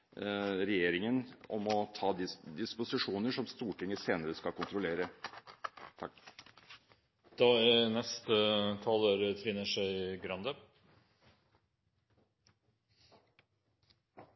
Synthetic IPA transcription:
ɾɛjeːɾɪŋənɔ̰mɔt̪ʰɑːd̪ɪd̪ɪspʊsɪʂuːnəʂɔmst̪uːʈɪŋːəseːnəɾəskɑlkʊnt̪ɾʊleːɾə | t̪ʰɑ | d̪̥ɑːænɛst̪ət̪ʰɑloːɾət̪ʰfɪnːəʂæɪɡɾɑnd̪ə

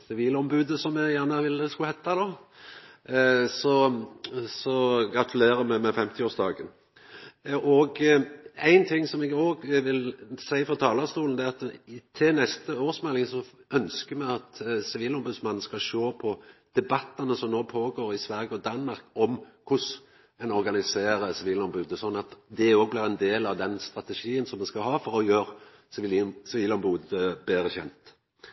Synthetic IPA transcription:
sɪʋiːləɔmbʉːd̪əsɔmɛjæʁnəʋɪlːəskʉhɛt̪ːɑd̪oː | sɔ | sɔɡɾɑt̪ʰʉleːɾəmɛmɛfɛmt̪ʰɪoːsd̪ɑ̰ːɡən | ʔɔɡ | æɪnt̪ʰɪŋːsɔmɛɡoːɡʋɪlsæɪfɾɔt̪ʰɑːlɑst̪uːln̩ɛæɑt̪t̪ʰɪnɛst̪əoːɾsmɛlːɪŋsɔœnskəmɛɑt̪sɪʋiːlɔmbʉd̪smɑnn̩skɑʃoːpʰɔd̪̥ɛbɑt̪ːɑnəsɔmnoːpʰoːɡoːɾɪsʋæɾɡəɔd̪ɑnːmɑɾkɔmkʰʊs | ɛnɔɾɡɑnɪseːɾəsɪʋiːlɔmbʉːd̪əsɔnːɑt̪d̪ɛoːɡ̚blɪʁɛnd̪eːlɑʋd̪ɛnst̪ʁɑt̪əʂiːənsɔmːɛnskɑɦɑːfɔʁɔjøːʁ | ssɪʋiːlɔmbʉːd̪əbeːɾəçɛ̰nt̪

